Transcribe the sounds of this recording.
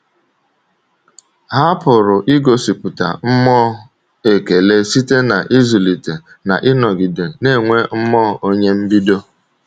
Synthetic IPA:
ɦa˦pʊ˨ɾʊ˨ʔi˦ɡo˨si˨pʊ˨ta̰˨m̩˦mɔ˦ | e˨ke˨le˦si˦te˦na˨ʔi˦zu˨li˨te˨ | na̰˨ʔɪ˦nɔ˨ɡi˨de˨ne˦˨ŋʷe˦m̩˦mɔ˦o˦ɲe˦m̩˦bi˦do˦

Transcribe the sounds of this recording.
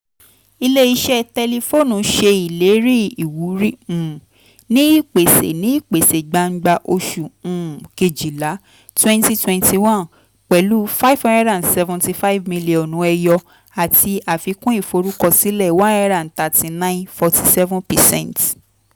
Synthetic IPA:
i˧le˦i˧ʃɛ˦tɛ˧le˧fo˦˨nũ˨ʃe˧i˨le˨˦ɾi˦i˨wu˨˦ɾĩ˦˨ | nĩ˦i˦˨k͡pe˨sḛ˨nĩ˨˦i˦˨k͡pe˨se˨ɡ͡ba˧ŋ̩˦ɡ͡ba˧ʔo˧ʃũ˨ke˨d͡ʒi˨la˨˦ | twɛ̃˦nti˧twɛ̃˧nti˧wã˦n | k͡pɛ˨lu˦fa˦i˦˨vhã˧˦ndɛ˦ɾã˨sɛ˧vũ˧ti˧fa˦i˦vmĩ˧li˨ɔ̃˨nũ˨˦ɛ˧jɔ˧ | a˨ti˧a˨fi˨˧kũ˦i˦˨fo˧ɾu˦kɔ˦˨si˨˦lɛ˦˨wã˦a˦ɾã˨n̩˨ta˨ti˨nã˦ɪ̃˦nfɔ˧ti˧sɛ˦vũ˦npɛ˨sɛ̰̃˦˨nt

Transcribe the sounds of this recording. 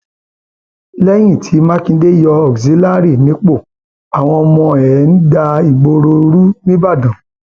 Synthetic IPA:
lɛ˦j̃ĩ˦˨tʰi˨˦mã˦kĩ˧˦de˦jɔ˧ɔ˨kzi˨˦la˦ɾi˦˨nĩ˨˦k͡po˦˨ | a˨w̃ɔ̃˧ɔ˧mɔ̃˧ɛ˨˦n̩˦da˧i˨ɡ͡bo˧ɾo˧ɾu˦nĩ˦ba˦˨dã˨

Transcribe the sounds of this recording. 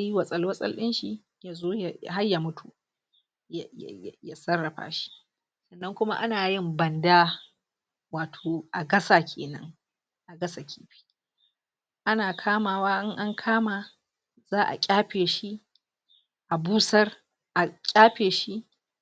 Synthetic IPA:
a˦ji˦wɐ˨sʼɐ˦lwɐ˦sʼɐ̰˦lɗɪ˦nʃi˨ | jaː˨zoː˦ja˨jɦa˦rja˨mʊ˦tʰu˨ | jjja˨ja˨sɐ˦rːɐ˨ɸa̰ː˦ʃi̥˦ | sɐ˨nːɐ˦ŋkʷʊ˦ma̰˦ʔa˦naː˨jɪ˦˨mbɐ˨ndaː˦ | waː˨tʰoː˨ʔa˨ɡɐ˦saː˦kʲʰeː˨nɐ̰˦ŋ | ʔa˨ɡɐ˦sa˨kʲʰiː˦ɸi̥˦ | ʔa˦naː˨kʰaː˦maː˨waː˦ʔɪ˦ŋʔa˦ŋkʰaː˦ma˨ | zaː˦ʔa̰˨kʲʼaː˦ɸeː˨ʃi˦ | ʔa˨buː˦sɐ˦r | ʔa˨kʲʼaː˦ɸeː˨ʃi˦ʔ

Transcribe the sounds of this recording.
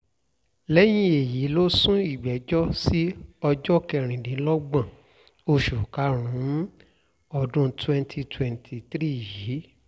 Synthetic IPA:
lɛ˦j̃ĩ˦e˨ji˨˦lo˦sũ˦i˨ɡ͡bɛ˨˦d͡ʒɔ˦si˦ɔ˧d͡ʒɔ˦kɛ˧˨ɾ̃ĩ˨dĩ˨˦lɔ˦ɡ͡bã˨ | o˧ʃu˨ka˨˦ɾ̃ũ˨˦ | ɔ˧˨dũ˧twɛ̃˧ntʰi˧twɛ̃˨ntʰi˨tɾi˦˨jiː˨˦

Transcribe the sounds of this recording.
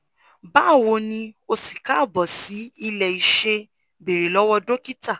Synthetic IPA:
ba˨˦˨wo˧˦nĩ˧o˧si˨ka˨˦˨bɔ˨si˨˦i˧lɛ˨i˨ʃe˧ | be˨ɾe˨lɔ˦wɔ˧do˦ki˦ta˦˨

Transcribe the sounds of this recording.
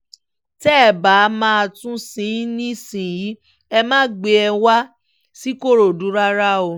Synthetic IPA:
tɛ˦˨ba˨˦mãː˦a˧tũ˦sĩ˨˦nĩ˦sĩ˨ji˨˦ | ɛ˧mãː˦ɡ͡be˧ɛ˧wa˦ | si˦ko˦˨ɾo˨du˨˦ɾa˦ɾa˦o˧

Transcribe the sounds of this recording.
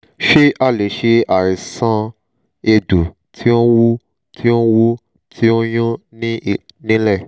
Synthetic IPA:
ʃe˦ʔa˦˨le˨˦ʃe˧a˨ɾi˨sã˧ | e˧du˨ | tʰi˦o˦wu˦ | tʰi˦o˦wu˦ | tʰi˦o˦j̃ũ˦nĩ˦˨nĩ˦lɛ˦˨

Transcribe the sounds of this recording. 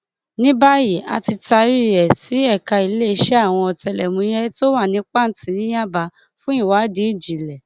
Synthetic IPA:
nĩ˦ba˦je˨a̰˧ti˧ta˧ɾi˦˨ɾɛ˨ti˨˦ɛ˦˨ka˧i˧˦le˦˧˦ʃɛ˦a˦˨w̃ɔ̃˧ɔ˧tɛ˧lɛ˨mũ˧˦jɛ˦to˦wa˦˨nĩ˨˦k͡pa˦˨n̩˦tĩ˧˦nĩ˦ja˦ba˧ | fũ˦i˦˨wa˨˦di˨˦i˦˨d͡ʒi˨lɛ˨

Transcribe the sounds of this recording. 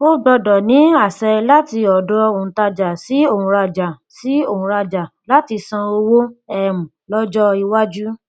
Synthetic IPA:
o˦ɡ͡bɔ˧dɔ˨nĩ˨˦a˦˨sɛ˧la˦ti˧ɔ˨dɔ˧o˨ũ˨ta˧d͡ʒa˨si˨˦o˦˨ũ˧ɾa˧d͡ʒa˨ | si˨˦o˦˨ũ˧ɾa˧d͡ʒa˨la˦ti˧sã˧o˧wo˦ɛ˨mũ˨lɔ˦d͡ʒɔ˦i˧wa˦d͡ʒu˦

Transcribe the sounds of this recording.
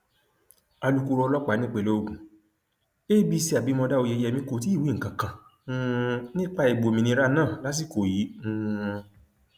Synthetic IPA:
a˧lu˦ku˧ɾɔ˧lɔ˦k͡pa˨˦nĩ˦k͡pe˦˧˨lo˦o˧kũ˨ | e˦bi˦si˧˦a˨bi˨˦mɔ̃˧da˦o˧je˧jɛ˧mĩ˧˦ko˧˨t̬i˦˨wi˦ŋ̩˨kã˨kã˨˦ | nĩ˦k͡pa˧i˨ɡ͡bo˨mĩ˧nĩ˧ɾa˦nãː˦˨la˨˦s̬i˦˨ko˨ji˨˦ũ˦˧

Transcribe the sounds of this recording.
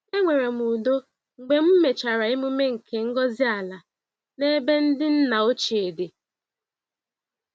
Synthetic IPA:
e˦ŋʷe˨ɾe˨mu˨do˦ | ŋ͡m̩˨ɡ͡be˨m̩˦me˨t͡ʃa˨ɾa˨ɪ˦mʊ˦me˦ŋ̩˨kʰe˨ŋ̩˦ɡɔ˦zi˦a˨la˨ | ne˦be˦n̩˦dɪ˦n̩˦na˨o˦t͡ʃe˨e˨de˨

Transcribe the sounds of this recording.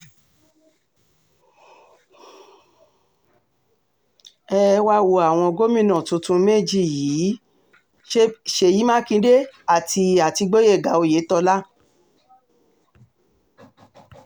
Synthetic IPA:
ɛ˦˧wa˧˦wo˧˨a˨w̃ɔ̃˧ɡo˦mĩ˦˨nɔ̃˨tũ˧tũ˧me˦˨d͡ʒi˦˨jiː˨˦ | ʃʃe˧ji˨˦mã˦kĩ˧˦de˦a˦˨ti˧a˨ti˧ɡ͡bo˦je˦˨ɡa˨˦o˧˨je˨˦tɔ˧la˦

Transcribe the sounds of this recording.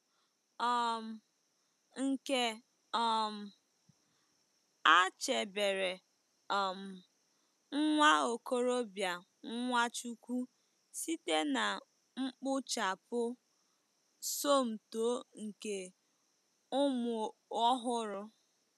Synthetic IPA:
ɔ˨m̩˨ | ŋ̩˨ke˦ | ɔ˦m̩˨ | a˦t͡ʃe˨be˨ɾe˨ | ɔ˨m̩˨ | ŋ̩˦ŋʷa˦o˨ko˦ɾo˦bja˨ | ŋ̩˦ŋʷa˦t͡ʃu˦kʷu˦ | si˦te˦na˨ | ŋ͡m̩˦k͡pʊ˦t͡ʃa˨pʊ˦ | so˦˨m̩˨toː˨˦ŋ̩˨ke˨ | ʊ˦mʊ˨ɔ˦ɦʊ˦ɾʊ˦

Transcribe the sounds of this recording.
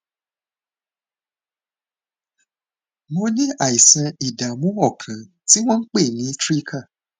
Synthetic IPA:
mo˧nĩ˦a˦˨i˨sã˧i˨da˨mũ˨˦ɔ˦˨kʰã˨ | ti˦w̃ɔ̃˦n̩˦k͡pe˦˨nĩ˨˦tɾi˦kʰa˦˨

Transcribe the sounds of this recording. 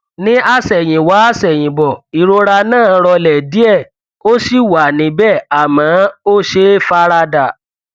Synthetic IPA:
nĩ˦ʔa˦sɛ˨j̃ĩ˨wa˨˦a˦˨sɛ˨j̃ĩ˨bɔ˨i˨ɾo˧ɾa˧nãː˦˨˦ɾɔ˧lɛ˨di˨˦ɛ˦˨ | o˦si˦˨wa˨nĩ˨˦bɛ˦˨a˨mã˨˦o˦ʃe˦fa˦ɾa˧da˨

